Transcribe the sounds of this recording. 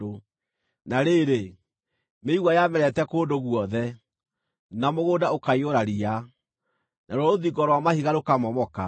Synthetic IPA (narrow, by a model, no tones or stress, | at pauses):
o | naɾeɾe | meiɣwajamɛɾɛtɛkoːndoɣwɔðɛ | namoɣoːdaokaioɾaɾia | naɾɔoðiɡɔɾɔwamahiɣaɾokamɔmɔka